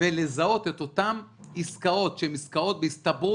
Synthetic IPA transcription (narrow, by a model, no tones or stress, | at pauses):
elezao̞t̪et̪o̞t̪amiskao̞t̪ʃeemiskao̞t̪̚beist̪abu